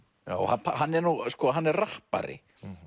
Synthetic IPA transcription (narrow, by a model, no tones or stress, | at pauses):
ja̰ːwhapʰahanːɛɾnuɣskɔɦanːɛɾrahpa̰ɾɪ̰